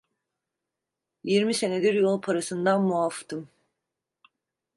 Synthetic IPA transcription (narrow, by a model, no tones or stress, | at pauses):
jiɾmise̞ne̞d̪iɾjo̞lˠpʰaɾasɯnd̪anmuaft̪ʰɯm